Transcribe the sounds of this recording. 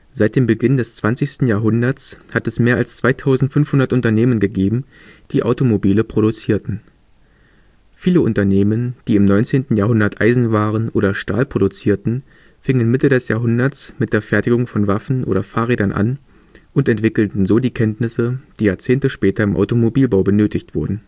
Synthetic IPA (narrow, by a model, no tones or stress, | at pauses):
z̥aɪt̚d̥eːmbəɡɪndɛst͡sv̥ant͡sɪçstn̩jaːɐɦʊndɐt͡shatɛsmeːɐalst͡sv̥aɪtʰaʊzn̩tfʏnfhʊndɐtʔʊntɐneːmənɡəɡeːbm̩ | d̥iːʔa̰ʊtomobiːləpʁ̥oɾut͡siːɐtn̩ | fiːləʊntɐneːmənd̥iːɪmnɔʏnt͡seːntn̩jaːɐɦʊndɐtʔaɪzn̩vaːʁənʔoːɾɐʃta̰ːlpʁ̥odut͡siːɐtn̩ | fɪŋənmɪtədɛsjaːɐɦʊndɐt͡smɪt̚d̥eːɐfɛɐtɪɡʊŋfɔnvafn̩ʔo̰ːɾɐfaːʁeːdɐnʔa̰n | ʔʊntɛntv̥ɪkl̩tn̩zoːdiːkʰɛntnɪsəd̥iːjaːɐt͡seːntəʃpɛːtɐɪmʔa̰ʊtomobiːlbaʊbənøːtɪçtv̥ʊɐdn̩